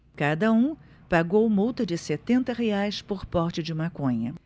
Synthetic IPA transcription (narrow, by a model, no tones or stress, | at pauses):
kad̪ɐũ | paɡowmuwt̪ɐd͡ʒɪset̪ẽnt̪ɐheajspoɾpɔɾt͡ʃɪd͡ʒɪmakõɲɐ